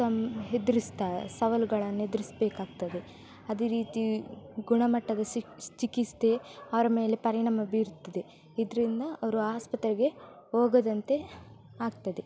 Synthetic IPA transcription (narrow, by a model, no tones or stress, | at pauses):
ɐmɦed̪iɾist̪aːsɐʋɐlɡɐɭɐnːe̞d̪iɾisbeːkaːɡ̚t̪ɐd̪e̞ | ɐd̪eːɾiːt̪iɡuɳɐmɐʈːɐd̪ɐt͡ʃikist̪eɐʋɐɾɐme̞ːle̞pɐɾiɳɐmɐbiːɾut̪ːɐd̪e̞ | id̪ɐɾind̪ɐɐʋɐɾuaːspɐt̪ɾiɡe̞oːɡɐd̪ɐnt̪e̞ | aːɡ̚t̪ɐd̪e̞